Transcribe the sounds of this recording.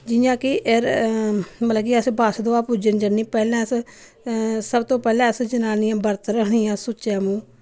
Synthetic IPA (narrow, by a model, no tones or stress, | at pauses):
d͡ʒɪjãːkɪʔeɾ | mət̪lãːkiəsbaːsd̪oːaːpud͡ʒənd͡ʒəniːpɛːlãːs | səbt̪õːpɛːlãːəsd͡ʒənaːnijãːbəɾt̪ɾəkʰɳijãːsʊʃaːmũː